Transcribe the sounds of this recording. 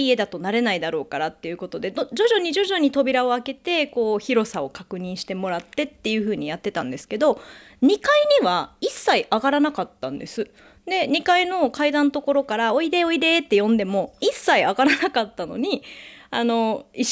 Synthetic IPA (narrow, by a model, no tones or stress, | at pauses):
ie̞d̪at̪o̞naɾe̞naid̪aɾo̞ːkaɾat̪ːe̞jɯ̟ko̞t̪o̞d̪e̞d̪od͡ʑo̞ʑo̞ɲ̟iʑo̞ʑo̞ɲ̟it̪o̞bʲiɾao̞ake̞t̪e̞ko̞ːçiɾo̞sao̞kakɯ̟ɲ̟ĩɰ̃ɕi̥t̪e̞mo̞ɾat̪ːe̞t̪ːe̞jɯ̟ɸɯ̟ːɲ̟ijat̪ːe̞t̪ã̰nd̪e̞sɨ̥ke̞d̪o̞ | ɲ̟ikaiɲ̟iβaisːaiʔaɡaɾanakat̪ːã̰nd̪e̞sɨ | d̪e̞ɲ̟ikaino̞kaid̪ãnot̪o̞ko̞ɾo̞kaɾao̞id̪e̞o̞id̪e̞t̪ːe̞jõ̞nd̪e̞mo̞isːaiaɡaɾanakat̪ːano̞̰ɲ̟iano̞i